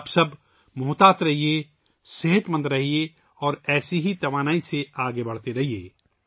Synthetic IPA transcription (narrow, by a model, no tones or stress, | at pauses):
bsɐb | mʊɦt̪aːt̪ɾɐɦie | seɦət̪mə̃nd̪ɾɐɦie | ɔːɾɛːsiɦit̪ɐʋaːnaːiseaːɡebɐɽ̤t̪eɾɐɦiḛː